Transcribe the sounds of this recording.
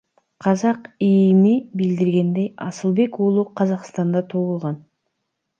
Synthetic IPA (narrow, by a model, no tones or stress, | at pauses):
qʰɑzɑqijnibild̪iɾɡe̞nd̪ejɑ̰sɯlˠbe̞koːlˠuqʰːɑzɑqst̪ɑnd̪ɑt̪ʰoulˠʁɑn